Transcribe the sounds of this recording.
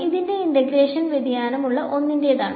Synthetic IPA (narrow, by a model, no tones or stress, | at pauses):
iðinde̞indeɡɾeːʂɐnʋed̪ʱijaːnɐmuɭːɐʔo̞nːindeːðaːɳ